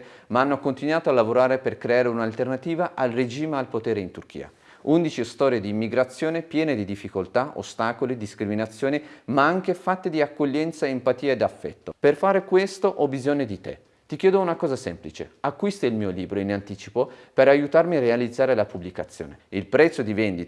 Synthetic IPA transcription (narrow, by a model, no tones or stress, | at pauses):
maanːokont̪inwaːt̪oalːavoɾaːɾeperkɾeaːɾeunalt̪ernat̪iːvaʔalred͡ʒiːmealpot̪eːɾeint̪urk̟ḭːa̰ | und̪it͡ʃiost̪ɔːɾjed̪iːmːiɡɾat̪sːjoːnepjɛːned̪id̪ifːikolt̪aʔo̰st̪aːkolid̪iskɾiminat̪sːjoːnimaaŋk̟efat̪ːed̪iakːoʎːɛnt̪saempat̪iːaed̪afːɛ̰t̪ːoperfaːɾekwest̪oʔɔbizoɲːod̪it̪ḛ | t̪ikjɛːd̪ounakɔːzasɛmplit͡ʃḛakːwist̪ailmiːoliːbɾoinant̪iːt͡ʃipopeɾajut̪armiarealid̪zːaːɾelapublikat̪sːjo̰ːneilpɾɛt̪sːod̪ivɛnd̪it̪a